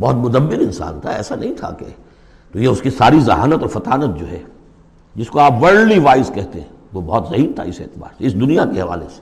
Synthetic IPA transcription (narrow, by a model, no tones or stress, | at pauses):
bɔːt̪mʊd̪əmːɪnɪnsa̰ːnt̪ʰa̰ɛ̰ːsanɐɦĩt̪ʰa̰kḛ | t̪ojeʊskisaːɾizɐɦa̰ːnət̪ɔːɾfɐt̪aːnət̪̚d͡ʒoːɦɛ | d͡ʒɪskoaːpʋɐɽliʋaːɪskɛɦt̪eɦɛ̃ʋobɔːt̪zɐɦiːɾt̪ʰa̰ɪsḛːt̪ɪma̰ːɪsd̪ʊnijakeɦɐʋa̰ːlese̥